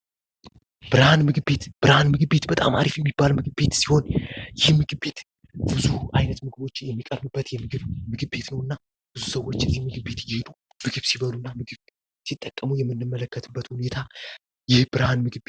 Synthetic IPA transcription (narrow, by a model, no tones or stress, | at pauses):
b̥ɨɾhanmɨɡɨbe̞t̪b̥ɨɾhanmɨɡbe̞t̪bət̪ʼa̰ma̰ɾifjɛmːibːalmɨɡɨbe̞t̪siho̞njɪhmɨɡɨbe̞t̪ | b̥ɨzuʔajnət̪mɨɡɨbo̞t͡ʃːjɛmːikʼəɾbɨbːət̪jɛmɨɡɨβmɨɡɨbe̞t̪nəwɨnːa | b̥ɨzusəwo̞t͡ʃːɛzihmɨɡɨbe̞t̪jɪhed̪u | mɨɡɨβsiβəlunːamɨɡɨβ | sit̪ʼːəkʼːəmujɛmːɨnːɨmːələkːət̪ʰɨbːət̪hune̞t̪ʰa | jɪhb̥ɨɾhanmɨɡɨe